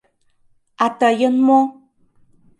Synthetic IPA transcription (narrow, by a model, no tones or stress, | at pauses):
at̪ajənmo